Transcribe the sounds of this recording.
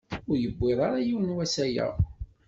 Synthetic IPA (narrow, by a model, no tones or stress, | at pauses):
ʊɾjəbːɪðˤɑɾajiwənwæsæjæ̰